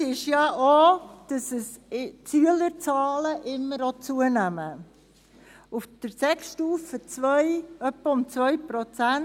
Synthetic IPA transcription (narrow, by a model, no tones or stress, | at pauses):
ɪʃjɑʔod̥ɑsəst͡syələɾt͡sɑːləʔɪmːəɾot͡suənæmə | ʊfd̥əɾsɛkʃtuːfət͡sʋœjœpːəʊmt͡svœjpɾɔt͡sæn